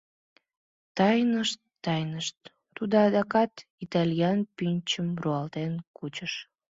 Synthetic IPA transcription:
t̪ɑjnəʃt̪ːɑjnəʃt̪ː | ud̪oɑd̪ɑkɑt̪it̪ɑlʲjɑnpynʲt͡ɕəmruɑlt̪enkut͡ɕəʃ

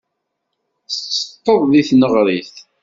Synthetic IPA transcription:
st͡sːə̥t̪ːəðˤðiθnəʁɾiθ

